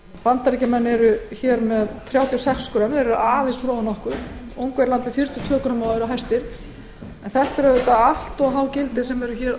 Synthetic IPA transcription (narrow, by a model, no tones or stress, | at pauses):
pant̪aɾicamɛnːɛɾʏçɛɾmɛðt̪ʰɾjaːwt̪iɔsɛkskɾœmðɛɾʏʔaːðɪsfɾoːwanɔhkʏɾ̥ | owŋkvɛjɾlant̪vɪfjiɾ̥t̪jʏt̪ʰvœːkɾamawðʏɾaɦajst̪ɪɾ̥ | ɛnθɛht̪ɾœðɪt̪aahl̥t̪ɔɣɦaːwcɪlt̪ɪsɛmɛɾʏçɛɾ